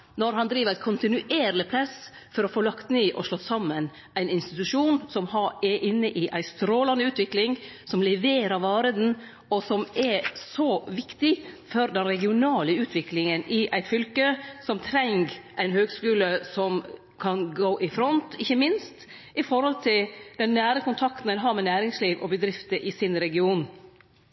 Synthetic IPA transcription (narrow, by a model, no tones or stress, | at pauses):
nɔɾɦɑnd̪ɾiːʋəɾæɪkʰʊnt̪ɪnʉʔeːɾlɪpʰlɑs | fɔɾɔfoːlɑkt̪niːʔɔʂɭɔt̪ːsɑmːən | æɪnɪnst̪ɪt̪ʉʂuːnsɔmhɑɛʔɪnːəʔɪʔæɪst̪ɾoːlɑnəʉːt̪ʋɪklɪŋsɔmlɛʋeːɾɑɾʋɑːɾəd̪ɛn̩ | ɔsɔmɛɾsɔʋɪkt̪ɪfɔɾd̪ɛnɾɛɡɪʊnɑːləʉːt̪ʰʋɪklɪŋənʔɪʔæɪt̪fʏlkəsɔmt̪ʰɾɛŋɡʔæɪnhøːɡskʉːləsɔm | kʰɑnɡoːʔɪfɾɔnt̪ɪçːəmɪnst̪ | ʔɪfɔɾhɔlt̪ʰɪld̪ɛnːæːɾəkʊnt̪ʰɑkt̪n̩ænɦɑɾmɛnæːɾɪŋsliːʋʔɔbəd̪ɾɪft̪əʔɪsɪnɾɛɡɪuːn